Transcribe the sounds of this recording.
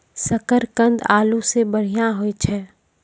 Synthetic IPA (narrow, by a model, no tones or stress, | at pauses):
səkəɾkə̃nd̪aːlusebəɽ̤ijãɦoit͡ʃʰɛː